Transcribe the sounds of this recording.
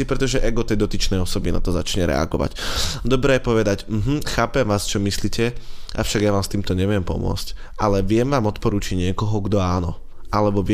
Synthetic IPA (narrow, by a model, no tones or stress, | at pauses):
ipɾɛt̪ɔʒɛʔɛɡɔt̪ɛjd̪ɔt̪it͡ʃnɛjɔsɔbina̰t̪ɔza̰t͡ʃɲɛɾɛ̰a̰ɡɔ̰ʋa̰cd̪ɔbɾɛːjɛpɔʋɛd̪acm̩ɦm̩xaːpɛmʋaːst͡ʃɔmisliːcʰɛʔa̰fʃaɡjaʋaːmst̪iːmt̪ɔɲɛʋɪɛmpɔ̰mʊɔ̰t͡sc | alɛʋɪɛmʋaːmɔt̪pɔɾuːt͡ʃiɟɲɪɛkɔɦɔɡd̪ɔaːnɔ | alɛbɔʋɪ